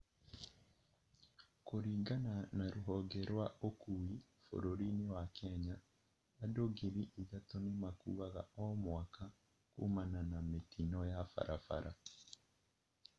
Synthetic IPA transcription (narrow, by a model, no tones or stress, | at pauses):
koɾiːɡananaɾuɦoɡeɾwaʔokuwi | fo̰ɾoɾiniwakeɲaː | doɡiɾiʔiɡatonimakṵɣaɣa̰omwaka | kṵmananametinojafa̰ɾʔafa̰ɾʔa̰